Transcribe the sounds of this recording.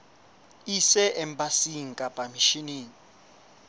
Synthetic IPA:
isɛʔɛmbasiŋ̩kʼapʼamiʃiniːŋi

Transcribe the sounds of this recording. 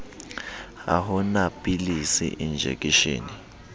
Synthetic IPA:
a̰ɦunapʼilisḭʔind͡ʒʱḛkʼiʃḛːni

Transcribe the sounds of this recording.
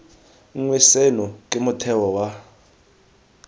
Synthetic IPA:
ŋwɛsɛnɔkʼemʊtʰɛwɔwa

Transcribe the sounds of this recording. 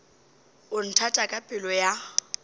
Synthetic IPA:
ʊn̩tʰatʼakʼapʼɪlɔja

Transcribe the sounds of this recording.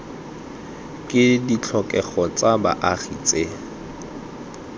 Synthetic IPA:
kʼɪdit͡ɬʰɔkʼɛχɔt͡sʼaba̰ʔaχit͡sʼe

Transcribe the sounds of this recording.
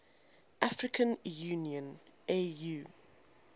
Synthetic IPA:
ʔafɹɪkʰə̃njuːniə̃nejuː

